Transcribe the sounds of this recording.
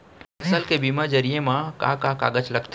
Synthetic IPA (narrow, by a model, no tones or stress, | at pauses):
ɐsəlkebimad͡ʒəɾijemãka̰kaka̰ːɡət͡ʃləɡt̪